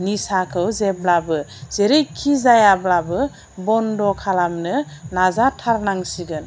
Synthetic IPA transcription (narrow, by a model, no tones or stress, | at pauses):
nisakʰɯwzeblabɯzeɾejkʰːizajablabɯ | bɔndɔkʰalamnɯnazatʰaɾnaŋsiɡɯn